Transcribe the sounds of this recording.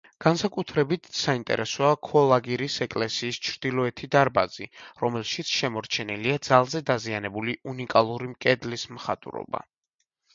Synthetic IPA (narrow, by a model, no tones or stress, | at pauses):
ɡ̥ansakʼut̪ʰɾɛbit̪ʰsaint̪ʼɛ̰ɾʔɛsɔakʰɔlˠaɡiɾisɛkʼlɛsiːst͡ʃʰɾd̪̥ilˠɔɛt̪ʰid̪aɾba̰ziɾɔmɛlˠʃit̪sʰʃɛmɔɾt͡ʃʰɛniliad̪zalˠzɛd̪azianɛbuliunikʼalˠuɾimkʼɛd̪lismχat̪ʼṵɾɔ̰ba̰